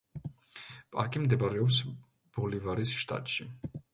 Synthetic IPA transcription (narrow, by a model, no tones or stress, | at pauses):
pʼa̰ɾkʼimd̪ɛbaɾɛɔps | b̥ɔlivaɾisʃt̪ʼa̰t̪ʼʃi